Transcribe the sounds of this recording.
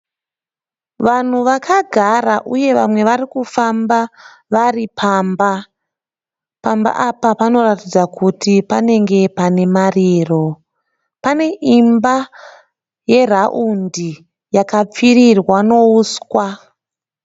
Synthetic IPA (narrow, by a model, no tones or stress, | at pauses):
ʋan̤uʋakʰaɡʱaraʔuje̞ʋamwe̞ʋaɾikufamba | ʋaripʰaːmba | pamba̰ʔapapano̞ratid͡zakutipane̞ŋɡe̞pane̞mariːro̞ | pane̞ʔimba | je̞raʔundi | jakap͡fiɾirwano̞uːskwa